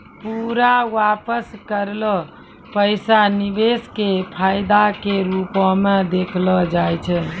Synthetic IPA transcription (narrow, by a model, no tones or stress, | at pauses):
puɾawapəskəɾlɔ | pəɪsanibeskepʰajd̪akeɾupɔmed̪ekʰlɔd͡ʒajt͡ʃʰɛ